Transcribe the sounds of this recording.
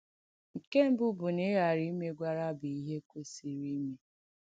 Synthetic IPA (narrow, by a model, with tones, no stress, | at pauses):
ŋ̩˨ke˦m̩˦bʊ˦bʊ˨ne˦ɣa˨ɾi˦me˦ɡʷa˦ɾa˦˨bi˨i˦ɦe˦ko˦si˨ɾi˦me˦